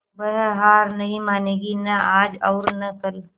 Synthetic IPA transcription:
bɐɦɦaːɾnɐɦĩmaːneːɡinɐaːd͡ʒɔːɾnɐkɐl

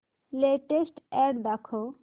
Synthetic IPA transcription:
leʈesʈɛɖd̪akʰo

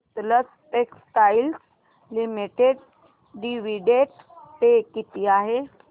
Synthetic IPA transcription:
t̪lət͡s | ʈeksʈails | limiʈeɖ | ɖiʋiɖeʈ | pekit̪iaɦe

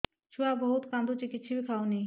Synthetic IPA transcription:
t͡ʃʰuabɐɦʊt̪kãːnd̪ut͡ɕikɪt͡ʃʰibʱikʰaːoniĩ

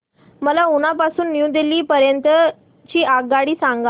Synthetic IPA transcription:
məlaunapasuːnːjũd̪eliːpəɾjənt̪ə | t͡ɕiːʔaɡaɽiːsãŋɡa

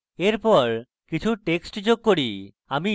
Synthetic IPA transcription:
eɾpɔɾ | kit͡ɕʰuʈeksʈd͡ʑoɡ̚koɾi | ami

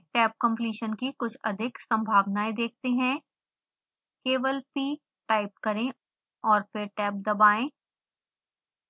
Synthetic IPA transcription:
ʈɛːp̚kɐ̃mpliːʃənkikʊt͡ʃʰɐd̪ʱɪksɐ̃mbʱaːʋnaːed̪eːk̚ʰt̪eɦɛ̃ː | keːʋəlpiː | ʈaːɪp̚kɐɾẽ | ɔːɾfɪɾʈɛːp̚d̪ɐbaːẽː

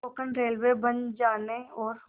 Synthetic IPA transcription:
oːkənɾeːlwebɐnd͡ʒaːneɔːɾ

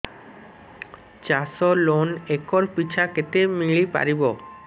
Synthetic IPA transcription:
t͡ɕasolonekoɾpit͡ɕʰaket̪emiɭipa̰ɾibo

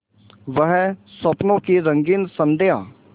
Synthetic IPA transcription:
ʋəɦsɐpnõkiɾɐ̃ŋɡiːnsɐ̃md̪ejaː

